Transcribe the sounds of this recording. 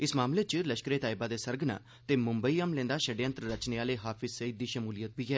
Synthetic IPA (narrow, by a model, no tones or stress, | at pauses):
ɪsmaːmleːt͡ʃləʃkəɾeːt̪aːɪbaːd̪eːsəɾɡna̰ː | t̪eːmʊmbəiːəmlẽːnd̪aːʃəɖeə̃nt̪ɾəɾət͡ʃneːaːleːɦaːpʰɪzsəiːd̪ːiːʃəmuːlijət̪biːɦɛː